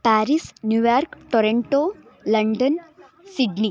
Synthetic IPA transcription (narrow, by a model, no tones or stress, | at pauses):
pæɾisnjujaɾkʈoɾeɳʈo | lɐɳɖən | siɖni